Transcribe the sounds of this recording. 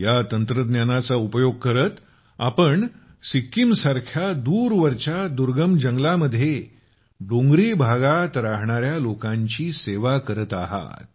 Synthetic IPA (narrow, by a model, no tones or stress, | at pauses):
jat̪ənt̪ɾəd̪njanat͡saupəjoɡ̚kəɾət̪ | apəɳ | sikːimsaɾkʰjad̪uːɾʋəɾt͡ɕad̪uɾɡəmd͡ʑəŋɡlaməd̪ʱːje | ɖõŋɡɾibʱaɡat̪ɾaɦɳaɾjalokãɲt͡ɕiːseʋakəɾət̪aɦa̰t̪̚